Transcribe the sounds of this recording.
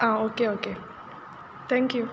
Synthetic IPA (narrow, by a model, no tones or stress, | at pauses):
aokeoke | t̪ʰɛ̃ŋkju